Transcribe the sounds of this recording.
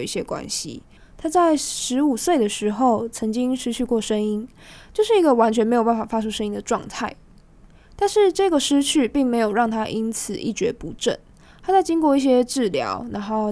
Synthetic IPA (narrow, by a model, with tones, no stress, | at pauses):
i˥˩ɕjɛ˦˥kwa̰˥nɕḭ˦ | t̪ʰa˥t͡sa˥˩ɪʂɻ̩˧˦˥u˨˩swe˥˩ɪd̪ə˩ʂɻ̩˧˥xo˥˩ʊt͡sʰə˧˥ŋt͡ɕi˦˥ŋʂɻ̩˥ɕʰy˥˧kwɔ˥˩ʂə˥ŋi˥ŋ | t͡ɕjo˥˧ʊʂɻ̩˥˩i˧˥ɡə˨wa˧˥nt͡ɕʰɥɛ˧˥nme˧˥ɪo˨˩ʊpa˥˩fa˨˩fa˥ʈ͡ʂʰu˥ʂə˥ŋi˦˥ŋd̪ə˨ʈ͡ʂwɑ̰˥˧ŋt̪ʰa˥˩ɪ | t̪a˥˧nʂɻ̩˥˧ʈ͡ʂɤ˥˩ɡə˩ʂɻ̩˥t͡ɕʰy˥˩pi˥˩ŋme˧˥ɪjo˨˩ʊɻɑ˥˩ŋt̪ʰa˥ʔi˥nt͡sʰɹ̩˨˩ḭ˥˩t͡ɕɥɛ̰˧˥pu˧˥ʈ͡ʂə̰˥˨˩n | t̪ʰa˥t͡sa˥˩ɪt͡ɕi˥ŋkwɔ˥˧i˥˩ɕ̬jɛ˥ʈ͡ʂɻ̩˥˩ljɑ̰˧˥ʊna˧˥ŋxo˥˩ʊ